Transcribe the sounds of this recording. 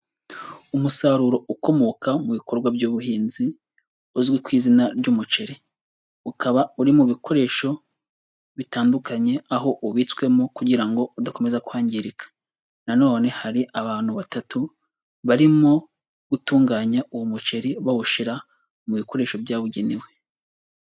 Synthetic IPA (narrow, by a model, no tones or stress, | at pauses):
umusaɾuɾo̞uko̞mo̞ːkamuβiko̞ɾɡwabɟuːβuhiːnzi | uzɡwikwiːzinaɾɟuːmut͡ʃe̞ɾi | ukaβauɾimuβiko̞ɾe̞ːʃo̞ | βitaːndukaɲe̞aɦo̞ʔuβit͡swe̞mokuɟiɾaŋɡo̞udako̞me̞zaku̥haːɲɟiɾikḁ | nano̞ːne̞haɾiʔaβaːn̥huβatatu | βaɾimo̞ | ɡ̥utuːŋɡaːɲauwomut͡ʃe̞ɾiβaβuʃiɾa | muβiko̞ɾe̞ːʃo̞bjaːβuɟeniwe̞